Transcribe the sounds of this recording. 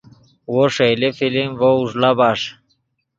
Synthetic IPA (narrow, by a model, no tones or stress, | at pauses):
woʂejlefilimvouʐlabaʂ